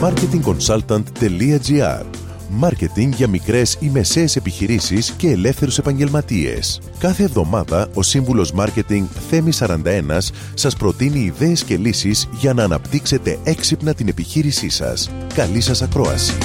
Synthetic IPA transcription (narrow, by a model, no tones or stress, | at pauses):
mɐɾce̞t̪iŋko̞nsɐlt̪ɐnt̪ːe̞liɐd͡ziɐ̰ɾ | mɐɾce̞t̪iŋɡʝɐmikɾe̞sime̞se̞ːse̞piçiɾisisce̞ːle̞fθe̞ɾuse̞pɐɲɟe̞lmɐt̪ie̞̰s | kɐθe̞ːvðo̞mɐðɐo̞siɱvulo̞zmɐɾce̞t̪iŋɡθe̞misɐɾɐnd̪ɐe̞nɐsː | ɐspɾo̞t̪iniːðe̞ːsce̞lisizʝɐnɐːnɐ̰pt̪ikse̞t̪e̞e̞ksipnɐt̪ine̞piçiɾisisɐ̰skɐlisɐsɐkɾo̞ɐ̰si̥